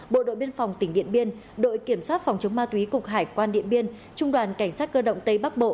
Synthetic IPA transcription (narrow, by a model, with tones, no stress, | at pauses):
ɓo̰˧˨ɗo̰˧˨jɓi˧ənfa˨˩wŋ͡mt̪ï˧˩ŋ̟ɗḭ˧˨ənɓi˧ən | ɗo̰˧˨jki˧˩əmswaː˦˥t̚fa˨˩wŋ͡mt͡ɕə˨˦ŋ͡mmaː˧t̪wi˨˦kʊ˨˩k͡p̚ɦaː˧˩jkwaː˧nɗḭ˧˨ənɓi˧ən | t͡ɕʊ˧ŋ͡mɗwaː˨˩nka˧˩jŋ̟saː˦˥t̚kəː˧ɗə̰˧˨ŋ͡mt̪ə˧jɓa˦˥k̚ɓo̰˧˨